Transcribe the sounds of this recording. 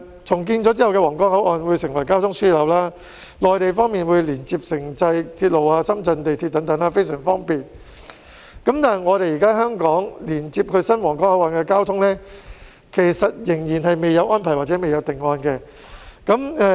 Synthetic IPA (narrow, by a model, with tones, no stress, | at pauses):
t͡sʰʊ˨˩ŋk̬iː˧nt͡sɔː˨˥t͡siː˥hɐ˨wkɛː˧wɔː˨˩ŋkɔː˥ŋhɐ˨˥wʔɔː˧nwu˨˧jsɪ˨˩ŋwɐ˨˩jkaː˥wt̪ʰʊ˥ŋsyː˥˨lɐ˨˥wlaː˥ | lɔː˨jt̪e˨jfɔː˥ŋmiː˨nwuː˨˧jliː˨˩nt͡siː˧p̚sɪ˨˩ŋt͡sɐ˧jt̪ʰiː˧t̚lo˨waː˧sɐ˥mt͡sɐ˧nt̪e˨jt̪ʰiː˧t̚t̪ɐ˨˥ŋt̪ɐ˨˥ŋaː˧fe˥jsœː˨˩ŋfɔː˥ŋpiː˨n | kɐ˨˥mt̪aː˨ŋɔː˨˧ɾe˨jiː˨kaː˥ɦœː˥ŋkɔː˨˥ŋliː˨˩nt͡siː˧p̚kʰɵ˨˧ɥsɐ˥nwɔː˨˩ŋkɔː˥ŋhɐ˨˥wʔɔː˨˧nkɛː˧kaː˥wt̪ʰʊ˥ŋlɛ˥ | kʰe˨˩jsɐ˨t̚jɪ˨˩ŋjiː˨˩nɦɐ˨jme˨jːɐ˨˧wʔɔː˥npʰɐ˨˩jwaː˨t̚t͡sɛ˨˦˥me˨jɐ˨˧wt̪ɪ˨ŋːɔː˧nkɛː˧ | kɐ˨˥mɛː˧